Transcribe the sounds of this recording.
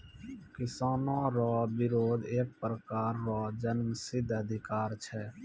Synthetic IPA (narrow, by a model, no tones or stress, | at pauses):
kɪsaːnõɾɔːbɪɾoːd̪eːk̚pɾəkaːɾːɔːd͡ʒənməsɪd̪ʱːəd̪ʱɪkaːɾt͡ʃʰɛː